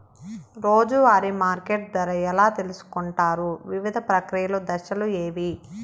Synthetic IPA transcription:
ɾo̞ːd͡ʒuʋaːɾimaːɾkeʈ̚d̪ɐɾɐjɛlaːt̪e̞lusu̥kuɳʈaːɾuʋiʋid̪ʱɐpɾɐkɾijɐlod̪ɐʃɐlueːʋi

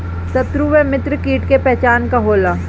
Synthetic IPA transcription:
sɐt̪ɾuʋemɪt̪ɾkiːʈkepɛɦt͡ʃaːnkaɦoːlaː

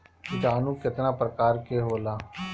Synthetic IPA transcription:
d͡ʒaːnũːkɪt̪naːpɾəkaːɾkeɦoːlaː

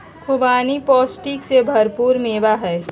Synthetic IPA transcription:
kʰʊbaːnipɔːsʈiksebʱɐɾpuːɾmeːbaɦɛː

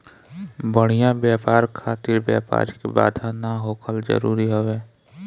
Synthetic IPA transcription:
bəɽ̤ijãbjaːpaːɾkʰaːt̪ɪɾbja̰ːpa̰ːɾkeba̰ːd̪ʱanaɦoːkʰəlzə̰ɾuːɾiɦoʋeː

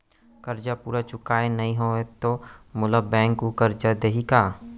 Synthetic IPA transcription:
kəɾd͡ʒapuːɾat͡ʃʊkaːenəɦĩɦoːet̪omʊləbɛ̃ːŋkukəɾd͡ʒad̪eɦikaː

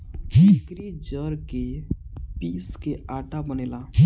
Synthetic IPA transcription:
ɪkɾid͡ʒəɾke | piːskeʔaːʈabəneːlaː

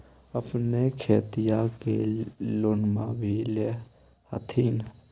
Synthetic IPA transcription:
əpnekʰeːt̪ijakeloːnmã̰bʱile | hə̰t̪ʰiːn

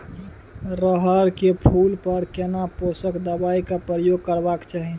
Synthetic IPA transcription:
ɾəɦəɾkepʰulpəɾkenaposəkd̪əbaikapɾəjoɡ̚kəɾbakt͡ʃaɦi

